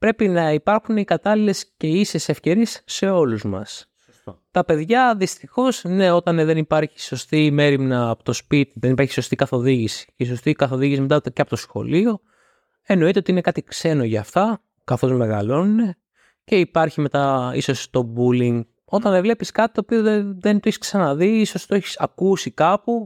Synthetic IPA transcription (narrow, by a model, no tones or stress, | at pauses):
pɾe̞pinɐipɐɾxunikɐt̪ɐlile̞sce̞isese̞fce̞ɾiesːe̞o̞luzmɐ̰s | t̪ɐpe̞ðʝɐðist̪ixo̞sne̞o̞t̪ɐnðe̞nipɐɾçi̥so̞st̪ime̞ɾimnɐːpot̪o̞spit̪iðenipɐɾçi̥so̞st̪ikɐθo̞ðiʝisi̥iso̞st̪ikɐθo̞ðiʝisime̞t̪ɐceɐpot̪o̞sxo̞̰lio̞ | e̞no̞it̪eot̪iinekɐt̪ikse̞no̞ʝɐːft̪ɐ | kɐθo̞zme̞ɣɐ̰lo̞nune̞ | ce̞ipɐɾçime̞t̪ɐiso̞st̪o̞buliŋɡ | o̞t̪ɐnðevle̞piskɐt̪i̥t̪opio̞ðeðent̪oeçi̥sksɐnɐðiiso̞st̪oeçi̥sɐkusikɐpu